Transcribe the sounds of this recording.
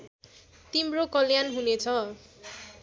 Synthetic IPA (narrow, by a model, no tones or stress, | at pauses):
t̪imrokʌljanɦunet͡sʰʌ